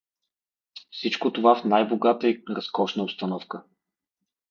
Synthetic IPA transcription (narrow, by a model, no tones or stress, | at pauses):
fsit͡ʃkot̪ovafnajboɡat̪əiɾɐskɔʃnəopst̪ɐnɔfkə